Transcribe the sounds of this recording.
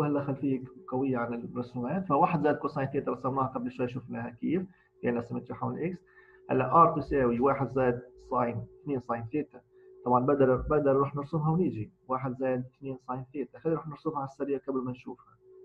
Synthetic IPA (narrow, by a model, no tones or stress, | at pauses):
hælːæxælːfiːkqɑwɪjːaʕanɪlɾɑsumæːt̪fæwaːħəd̪zæːd̪̚kuːnsˤɑːjnθeːt̪ɑɾsˤɑmnɑːhaqɑblʃwɛjʃuːfnæhækiːf | fʔanʔæsɪmɪt̪jiħawnɪlʔɪks | hæ̰lːæʔʔɑɾˤt̪usæwiwaːħəd̪zæːd̪sˤɑjnθniːnsˤɑːjmθeːt̪a | t̪ˤɑbʕɑnbæd̪ɑɾbæd̪ɑɾˤɾˤuːħnəɾsʊmɦawniːʒiwaːħəd̪zæːd̪̚θniːnsˤɑːjmθeːt̪æxæːliɾuːħnəɾsʊmhaʕsːæɾɪjːakɑbəlmænʃuːfhæ